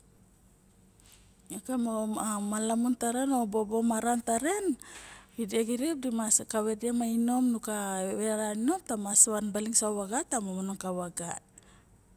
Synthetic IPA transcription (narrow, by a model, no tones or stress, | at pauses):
akamoamalamuntaɾeno̞bobo̞maɾantaɾe̞n | ideɡiɾip̚dimaskaβediamaino̞mnukaβeɾaino̞mtamasanbaliŋsaβaɡatamamanonkaβaɡa̰t̚